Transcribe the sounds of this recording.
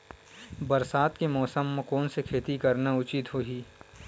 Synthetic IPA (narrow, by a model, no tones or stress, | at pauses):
bɐɾsaːt̪kemɔːsəmːekɔːnsekʰeːt̪ikɐɾnaʊt͡ʃɪt̪ɦoːɦiː